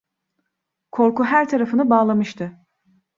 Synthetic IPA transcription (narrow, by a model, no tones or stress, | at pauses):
kʰo̞ɾkuɦæɾt̪ʰaɾafɯnɯbaːlˠamɯʃt̪ʰɯ